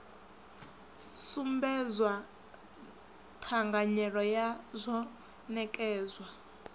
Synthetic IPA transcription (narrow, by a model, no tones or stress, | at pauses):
sumbɛzwa | tʰaŋɡaɲɛɺɔjazʷɔ | nɛkʼɛːzwa